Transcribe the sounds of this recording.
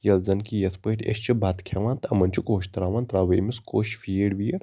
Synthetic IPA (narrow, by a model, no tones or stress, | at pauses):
jɐlzɐnkijɐsʰpəːʈʰʲḛʃt͡ʃʰibʱat̪kʰjaʋãːnt̪ɐmɐnt͡ʃʰukoːʃt̪ɾaːʋaːnt̪ɾaːʋemiskoːʃfijeɽʋijeɽ